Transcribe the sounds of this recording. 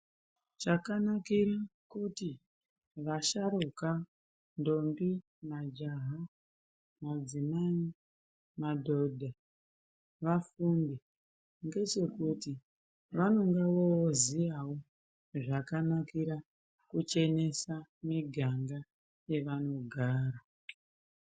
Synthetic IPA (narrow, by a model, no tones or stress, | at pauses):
t͡ʃakanakiɾakuti | ʋaʃaɾoka | ndo̞mbi | mad͡ʒaɦa | mad͡zimai | madʱo̞dʱa | ʋafumbi | ŋɡe̞t͡ʃe̞kuti | ʋano̞ŋɡaʋozijawo | ʐakanakiɾa | kut͡ʃe̞ne̞samiɡʱaŋɡa | je̞ʋano̞ɡʱaːɾa